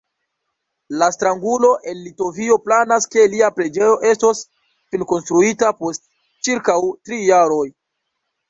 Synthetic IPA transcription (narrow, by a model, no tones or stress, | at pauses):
lastɾaŋɡulo̞ʔe̞nlito̞vio̞planaske̞liapɾe̞d͡ʒe̞jo̞ʔe̞sto̞s | filko̞nstɾuitapo̞st | t͡ʃiɾkawtɾijaɾo̞j